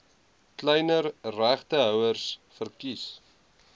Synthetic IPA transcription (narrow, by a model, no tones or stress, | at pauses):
klɛjnərræχtəɦœwərsfərkis